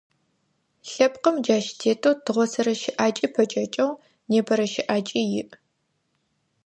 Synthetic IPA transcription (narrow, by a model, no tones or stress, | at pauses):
ɬɐpqəmd͡ʒaːʃtʰeːtʰoːtʰɨʁʷɔsɐɾɐʃɪʔaːt͡ʃʼipʰɐt͡ʃʼɐt͡ʃʼɐw | neːbʰɐɾɐʃɪʔaːt͡ʃʼijɪʔ